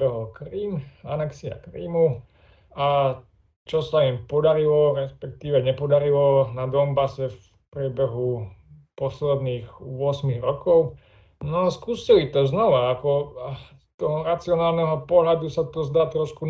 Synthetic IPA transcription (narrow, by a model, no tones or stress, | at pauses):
ɛɦɔlkɾiːmanɛksia̰kɾḭːmu | a | t͡ʃɔsaimpɔd̪aɾilɔɾɛspɛk̚t̪iːʋɛɲɛpɔd̪aɾilɔnad̪ɔmbasɛf | pɾɪɛbɛɦupɔslɛd̪niːɣʋʊɔsmiɣɾɔkɔʊ | nɔaskuːsɛlit̪ɔznɔʋaːkɔ | t̪ɔɦɔɾat͡siɔnaːlnɛɦɔpɔɦlad̪usat̪ɔzd̪aːt̪ɾɔʃku